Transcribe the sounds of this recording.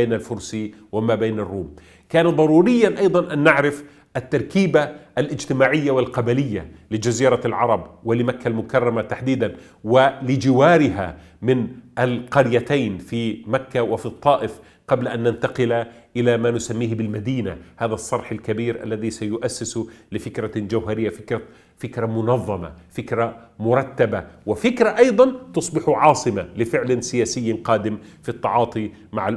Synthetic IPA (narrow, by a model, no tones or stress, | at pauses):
eːnalfʊɾsi | wɪmaːbeːnɑrːuːm | kaːnaðˤɑɾˤuːɾɪjːanʔɑjd̪ˤɑnʔanːaʕɾɪf | ʔat̪ːɑɾˤkiːbaʔalʔɪd͡ʒt̪ɪmaːʕɪjːawɪlqɑbalɪjːa̰lɪd͡ʒaziːɾɑlʕɑɾˤɑbwɪlɪmakːalmʊkɑrˤːɑmat̪aħd̪iːd̪an | wɪlɪd͡ʒɪwaːɾɪɦa̰ | mɪnʔalqɑɾjat̪ajnfimakːawɪfit̪ˤːɑːʔɪf | qɑblaʔanːant̪ɑqɪlaʔɪlamanʊsamːiːhbɪlmad̪iːna̰haːðasˤːɑɾˤħalkabiːɾʔa̰lːaðisajʊʔasːɪslɪfɪkɾad͡ʒawɦaɾɪjːafɪkɾa | fɪkɾamʊnɑðˤːɑma̰fɪkɾamʊɾˤɑt̪ːabawɪfɪkɾaʔɑjd̪ˤɑnt̪ʊsˤbɪħʕɑːsˤɨmalɪfɪʕlansɪjaːsɪjːqɑːd̪ɪmfit̪ˤːɑʕɑːt̪ˤi | maʕal